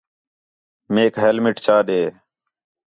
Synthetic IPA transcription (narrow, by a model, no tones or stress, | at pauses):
meːkɦelmɪʈt͡ɕaːɗ̪eː